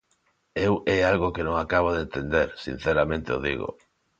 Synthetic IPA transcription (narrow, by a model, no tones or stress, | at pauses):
ewɛalɣokenõŋakaβ̞oðent̪end̪eɾsḭn̟θeɾamẽnt̪eo̰ðḭɣo̰